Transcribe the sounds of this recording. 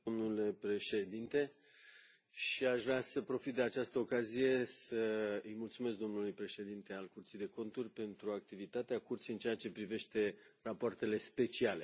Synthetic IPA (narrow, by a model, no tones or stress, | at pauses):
omnule̞pɾe̞ʃe̞d̪int̪e̞ | ʃiaʃvɾeasəpɾo̞fit̪̚d̪e̞at͡ʃast̪əo̞kazije̞səɨjmult̪sumesk̚d̪o̞mnulujpɾe̞ʃe̞d̪int̪e̞alkurt̪sijd̪e̞ko̞nt̪urʲpe̞nt̪ɾuak̚t̪ivit̪at̪eakurt̪sijɨnt͡ʃeat͡ʃe̞pɾive̞ʃt̪e̞rapoart̪e̞le̞spe̞t͡ʃiale̞